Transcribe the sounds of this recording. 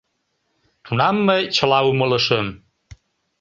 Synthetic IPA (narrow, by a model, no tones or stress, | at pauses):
t̪ʰunɑmːəjt͡ɕə̆lɑumələʃəm